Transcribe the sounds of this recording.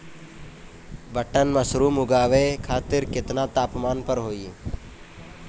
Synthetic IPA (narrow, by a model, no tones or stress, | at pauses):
bəʈənməsɾuːmʊɡaːʋeːkʰaːt̪ɪɾkɪt̪naːt̪aːpmaːnpəɾɦoːiː